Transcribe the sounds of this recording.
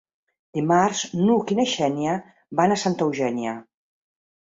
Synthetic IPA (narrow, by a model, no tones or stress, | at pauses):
d̪̥imarznukineʃɛnjə | βanasant̪əwʒɛnjə